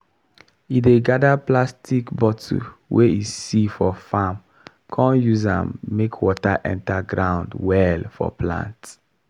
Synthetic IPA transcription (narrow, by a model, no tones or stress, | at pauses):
ideɡadaplastʰikbɔtʰṵwʔeisifɔfam | kʰɔ̃njuzã̰mːekʰwɔtaʔɛ̰̃ntaɡɹãʊ̃ndwɛlfɔ̰plã̰nt